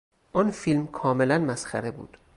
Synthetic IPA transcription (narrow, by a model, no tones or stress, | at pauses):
ʔɒnfilmkʰɒːme̞lænmæsxæɾebṵːd̪̥